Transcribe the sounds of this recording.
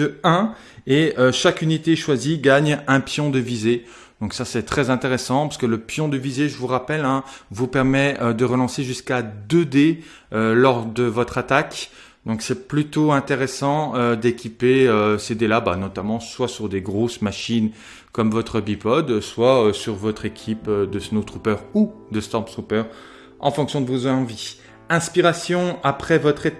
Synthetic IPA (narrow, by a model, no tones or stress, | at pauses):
əɛ̃ | eøʃakynit̪eʃwaziɡaɲɛ̃pjɔ̃d̪əvize | d̪̥ɔ̃ksasɛt̪χɛzɛ̃t̪eʁesɑ̃pasə̥kələpjɔ̃d̪əvizeʒəvuʁapɛlɛ̃vupɛʁmɛød̪əʁəlɑ̃seʒyskad̪ød̪e | ølɔʁd̪əvɔt̪χat̪ak | d̪ɔ̃ksɛplyt̪oɛ̃t̪eʁesɑ̃ød̪ekʲipeøsed̪elabanɔt̪amɑ̃swasyʁd̪eɡʁosmaʃin | kɔmvɔt̪χəbipɔd̪swaøsyʁvɔt̪χekʲʰipød̪əsnot̪χupœʁud̪əst̪ɔʁpt̪χupœʁ | ɑ̰̃fɔ̃ksjɔ̃d̪əvuzɑ̃vi | ɛ̃spiʁasjɔ̃apχɛvɔt̪χe